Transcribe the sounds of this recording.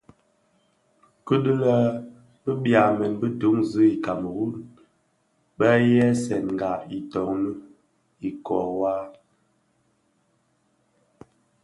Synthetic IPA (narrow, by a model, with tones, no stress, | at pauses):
kə˦də˦lə˦ | bə˦bja˨mɛ˨nbə˦du˨˦ŋzə˦i˨ka˨mə˨wu˦n | bə˦jɛ˦sɛ˨nŋ˨ɡa˨i˨tɔ˨ŋnə˦ | i˨kɔ˨waː˦